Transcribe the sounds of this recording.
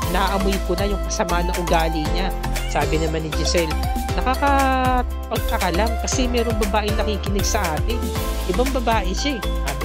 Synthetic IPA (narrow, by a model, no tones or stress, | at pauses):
naːʔɐmʊjkʊnɐjʊŋkɐsɐmaʔɐnːɐŋʔʊɡaːlɪɲa | saːbɪnɐmanɪd͡ʒɪsɛl | nɐkaːkɐ | pɐɡ̚kɐkɐlaŋkɐsɛmɛːɾoŋbɐbaːʔɪnɐkiːkɪnɪɡsɐʔaːt̪ɪn | ʔɪbaŋbɐbaːʔɛʃaɛ | a